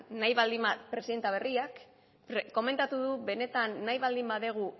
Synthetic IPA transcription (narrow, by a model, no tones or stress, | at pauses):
najβald̪imapɾe̞siðe̞nt̪aβ̞e̞riak | pko̞me̞nt̪at̪uðuβe̞ne̞t̪anːajβald̪imbaðeɣ̞u